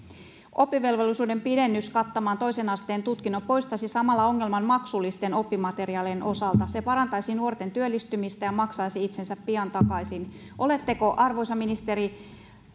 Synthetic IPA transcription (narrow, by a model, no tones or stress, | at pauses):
ʔo̞pːiʋe̞lʋo̞lːisuːde̞mpide̞nːyskɑt̪ːomɑːnt̪o̞jsenɑst̪e̞ːnt̪ut̪kinːompo̞jst̪ɑsisɑmɑlːɑo̞ŋːe̞lmɑnmɑksulːist̪eno̞pːimɑt̪e̞riɑlenʔo̞sɑlt̪ɑse̞pɑɾɑnt̪ɑjsinuort̪e̞nt̪yølːist̪ymist̪æjɑmɑksɑjsiit̪se̞nsæpːiɑnt̪ɑkɑjsin | ʔo̞le̞t̪ːe̞ko̞ʔɑrʋo̞jsɑminist̪e̞ɾi